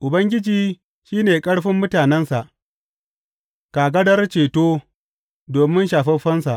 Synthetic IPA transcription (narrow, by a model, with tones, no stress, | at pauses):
ʔʊ˨bɐ˦ŋɡʲɪ˦d͡ʒiː˦ | ʃiː˦neː˨kʼɐ˦ɽɸɪ˦mːʊ˦taː˨nɛ˦nsa˨ʔ | ka˨ɡɐ˦dɐ˦rt͡ʃeː˨toː˦ | doː˨mɪ˦nʃaː˨ɸɐ˦ɸɐ˦nsa˨ʔ